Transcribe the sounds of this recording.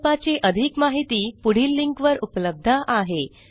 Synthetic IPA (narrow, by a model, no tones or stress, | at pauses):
pat͡seʔəd̪ʱikmaɦit̪iːpuɽ̤iːlːiŋkʋəɾupləb̚d̪ʱaʔaɦe